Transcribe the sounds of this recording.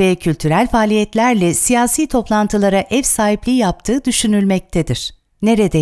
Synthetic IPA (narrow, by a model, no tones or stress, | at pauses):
ɛcʰylʲt̪ʰyɾælʲfaːlʲijɛt̪lʲæɾlʲɛsijaːsiːt̪ʰo̞plˠant̪ʰɯlˠaɾaʔɛvsaːɦiplʲijap̚t̪ʰɯːd̪yʃynylʲmɛc̚t̪ʰed̪iɾ̥ | ne̞ɾed̪ɛ